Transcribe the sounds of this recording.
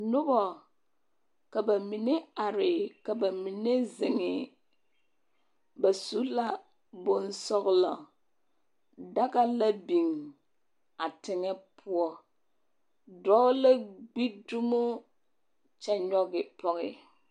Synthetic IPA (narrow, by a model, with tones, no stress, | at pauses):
nʊ˦bɔ˨ | ka˨ba˨mi˨ne˦a˨ɾɪ˨ka˨ba˨mi˨ne˦zɪ˨ŋɪ˨ | ba˨su˦la˦ | bo˨nsɔ˦ɣla˨ | da˦ka˦la˦bi˨ŋ | a˨tɪ˨ŋɛ˦pʰʊ˦ɔ˦ | dɔ˦la˦ɡ͡bi˦du˦mo˦ | t͡ʃɛ˦ɲɔ˦ɡɪ˨pʰɔ˨ɣɪ̰˦